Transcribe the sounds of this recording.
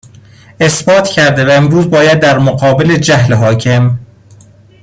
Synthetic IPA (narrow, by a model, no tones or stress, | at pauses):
e̞sbɒːt̪ʰcʰæɾd̪e̞væemɾuːzbɒːjæd̪ːæɾmoɢɒːbele̞d͡ʒæɦleɦɒːcʰe̞m